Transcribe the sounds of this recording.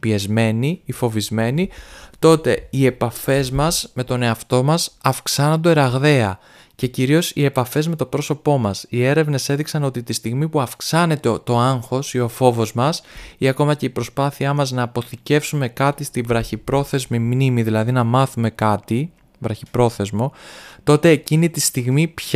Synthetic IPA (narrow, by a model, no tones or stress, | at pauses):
pie̞zme̞niifo̞vizme̞nit̪o̞t̪e̞ie̞pɐfe̞zmɐsme̞t̪o̞ne̞ɐft̪o̞mɐsɐfksɐnond̪oeɾɐɣðe̞ɐ | ce̞ciɾio̞sie̞pɐfe̞zme̞t̪o̞pɾo̞so̞po̞mɐsie̞ɾe̞vne̞se̞ðiksɐno̞t̪it̪ist̪iɣmipuɐfksɐne̞t̪et̪o̞aŋxo̞sio̞fo̞vo̞zmɐsiɐko̞mɐce̞ipɾo̞spɐθiɐmɐznɐːpo̞θice̞fsume̞kɐt̪ist̪ivɾɐçipɾo̞θe̞zmimnimiðilɐðinɐmɐθume̞kɐt̪i | vɾɐçipɾo̞θe̞zmo̞t̪o̞t̪e̞ːcinit̪ist̪iɣmipç